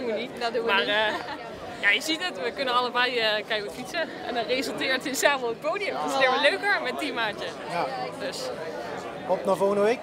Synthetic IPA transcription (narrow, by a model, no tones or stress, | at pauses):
duʋənitdumaːrə | jajəzitətʋəkɵnənɑləbɛjəkɛjkətfitsə | ɛ̰ndɑnrejzəlˠtɪːɹtəsaːməlˠət̚powdɪjəmfɔsɪːəɹʋəløɥkəɹmɛt̚dimaːntə | jadøs | ɔpnaːvoːɣəndəʋejk